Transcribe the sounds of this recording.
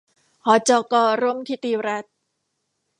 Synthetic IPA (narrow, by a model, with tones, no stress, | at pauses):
hɔː˨˦t͡ɕɔː˧kɔː˧ɾu˥˨mt̪ʰiː˧˥t̪iː˧ɾa˦˥t̪̚